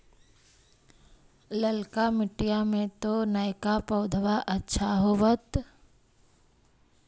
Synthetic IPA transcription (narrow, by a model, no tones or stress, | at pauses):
ləlkamɪʈijamẽt̪onəjkapəʊd̪ʱʋaʔətːʃʰaɦoːʋət̪